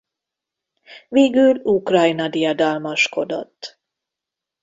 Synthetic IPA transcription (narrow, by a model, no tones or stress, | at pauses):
veːɡylukrɒjnɒd̪ijɒd̪ɒlmɒʃko̞d̪o̰t̪ː